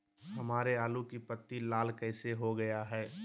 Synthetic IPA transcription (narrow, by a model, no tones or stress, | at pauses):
hɐmaːɾeaːlukipət̪ːilaːlkɛɪseɦoɡɐjaɦɛː